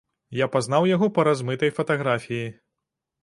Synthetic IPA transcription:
japazn̪awjaɣɔpɐɾazmɨt̪ɐjfɐt̪aɣɾafʲiji

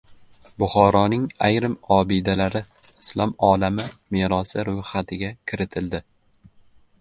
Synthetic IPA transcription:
bʊχɒɾɒnɪŋajɾɪmɒbɪd̪alaɾɪ | ɪslˠɒmɒlamɪmeɾɒsɪɾʊjhat̪ʰɪɡʲakʲʰɪɾɪt̪ʰɪld̪ɪ

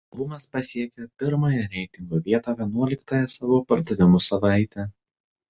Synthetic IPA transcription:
bʊmɐspɐsʲiɛkʲɛpʲɪɾmɐːjɛɾʲɛɪt̪ʲɪŋɡoːʋʲiɛt̪ɐːʋʲiɛnuɔlʲɪkt̪ɐːjɛsɑːʋoːpɐɾd̪ɐʋʲɪmʊsɐʋɑˑɪt̪ʲɛ

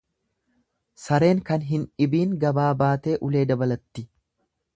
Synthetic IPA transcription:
sɐɾe̞ːŋkɐnɦɪnɪbiːŋɡɐbaːbaːt̪e̞ːʔʊle̞ːd̪ɐbɐlɐt̪ːɪ

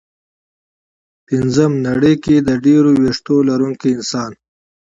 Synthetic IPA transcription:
pinzəmnaɽəjked̪əɖeɾoweʂt̪olaɾuŋkiɪnsɑːn

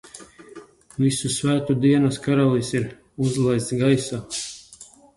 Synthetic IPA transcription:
visusvæːt̪ud̪iɛnaskaɾalˠisiɾ | uzlˠajst̪sɡajsaː

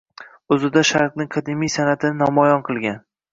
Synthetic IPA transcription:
ɵzɪd̪aʃaɾqnɪŋqʰɑd̪ɪmijsanat̪ʰɪnɪnɒmɒjɒnqʰɨlˠɡʲan

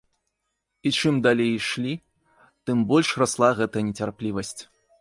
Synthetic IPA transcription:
it͡ʂɨmd̪alʲejʂlʲi | t̪ɨmbɔlʲʂraslˠaɣɛt̪ɐnʲɛt͡sʲarplʲivɐsʲt͡sʲ

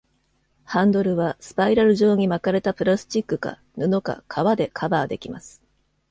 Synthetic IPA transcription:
hãnd̪o̞ɾɯ̟βasɨ̥paiɾaɾɯ̟ʑo̞ːɲ̟imakaɾe̞t̪apɯ̟ɾasɨ̥t͡ɕikːɯ̟ka̰ | nɯ̟no̞ka̰kʰaβad̪e̞kʰabaːd̪e̞kʲimasɨ̥

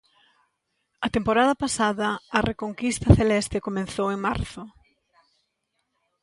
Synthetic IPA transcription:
ɐt̪empoɾaðɐpasaðɐːrekoŋkist̪ɐθelɛst̪ekomẽn̟θoweŋma̰ɾθʊ

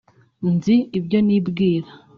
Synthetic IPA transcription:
nziːbjo̞nibɡiːɾḁ

